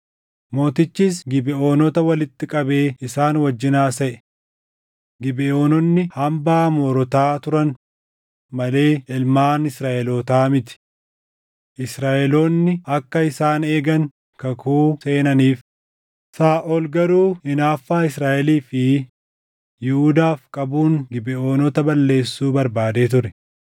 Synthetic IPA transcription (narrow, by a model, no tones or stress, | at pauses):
mo̞ːt̪ɪt͡ʃːiːs̬ɡɪbɛʔoːnɔt̪ɐwɐlɪt̪ːɪkʼɐbe̞ːɪsaːnwɐd͡ʒːɪnaːsɐʔɛ̥ | ɡɪbɛoːnɔnːɪhɐmbaːmɔːɾɔt̪aːt̪ʊɾɐn | mɐle̞ːɪlmaːnɪsɾaːʔɛloːt̪aːmɪt̪ɪ̥ | ʔɪsɾaːʔɛloːnːɪɐkːɐɪsaːneːɡɐŋ | kɐkʰuːse̞ːnɐniːf | saːʔɔlɡɐɾuːhɪnaːfːaːɪsɾaːʔɛliːfɪ | jɪhud̪aːfkʼɐbuːŋɡɪbɛʔoːnɔt̪ɐbɐlːe̞ːsːuːbɐɾbaːd̪eːt̪ʊɾɛ